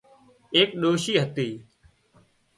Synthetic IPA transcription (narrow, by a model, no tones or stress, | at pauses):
eːk̚ɗoːʃiːɦət̪iː